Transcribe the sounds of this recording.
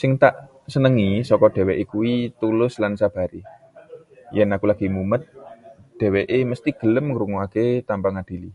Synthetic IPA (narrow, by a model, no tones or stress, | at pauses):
sɪŋt̪aʔ | sənəŋisɔkɔɖ̥ɛ̤weʔekuwit̪ulʊslansab̥a̤ɾi | jɛnakulaɡ̥i̤mumət̪̚d̥e̤weʔeməst̪iɡ̥ə̤ləmŋəɾuŋuaket̪ampaŋad̥i̤li